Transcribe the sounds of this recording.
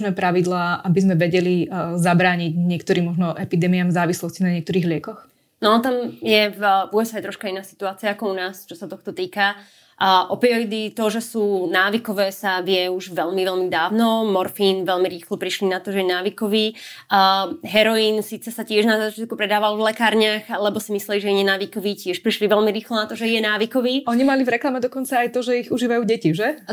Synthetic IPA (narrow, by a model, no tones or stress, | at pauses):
nɛpɾaʋid̪laːʔabizmɛʋɛɟɛlizabɾaːɲiɟɲɪɛk̚t̪ɔɾiːmɔʒnɔʔɛpid̪ɛːmiaːmvzaːʋislɔscinaɲɪɛkt̪ɔɾiːɣlɪɛkɔx | nɔanɔt̪amjɛvuɛsajt̪ɾɔʃkainaːsi̥t̪uaːt͡siaakɔunaːst͡ʃɔsat̪ɔxt̪ɔt̪iːka | ʔɔpiɔid̪it̪ɔʒɛsuːnaːʋikɔʋɛːsaʋɪɛuʒʋɛʎmiʋɛʎmid̪aːʋnɔmɔɾfiːnʋɛʎmiɾiːxlɔpɾiʃlinat̪ɔʒɛjɛnaːʋikɔʋiː | ɦɛɾɔjiːnsiːt͡sɛsacɪɛʒnazaat͡ʃɪat̪̚kupɾɛd̪aːʋalvlɛkaːɾɲaxlɛbɔsimislɛliʒɛjɛɲɛnaːʋikɔʋiːcɪɛʃpɾiʃliʋɛʎmiɾiːxlɔnat̪ɔʒɛjɛnaːʋikɔʋiːɔɲimalivɾɛklamɛd̪ɔkɔnt͡saːjt̪ɔʒɛiɣuʒiːʋajuːɟɛciʒɛ